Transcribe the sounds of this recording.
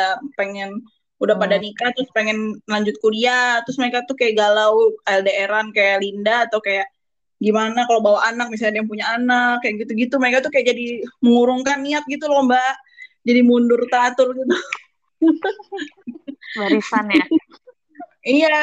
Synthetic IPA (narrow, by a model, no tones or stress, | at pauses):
apeŋɛn | udahpadanikat̪ɾʊspeŋɛnlaɲd͡ʒʊt̪̚kudiat̪ɾʊsmaɾekat̪uhkajaʔɡalawaldaeɾankajalindat̪ɔwkajaʔ | ɡimanakalobawaʔanak̚mis̬alɲadajaŋpuɲaːnakːajaʔɡit̪uɡit̪umaɾekat̪ukajaʔd͡ʒadiməŋuɾʊŋkanːiat̪̚ɡit̪ulɔmbaʔ | d͡ʒadimundʊrt̪at̪ʊrɡit̪u | baɾisanja | ija